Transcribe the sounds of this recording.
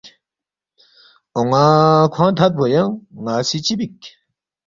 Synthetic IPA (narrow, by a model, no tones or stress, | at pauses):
oŋakʰwãt̪ʰat̪̚bʱojaŋŋasit͡ɕibik̚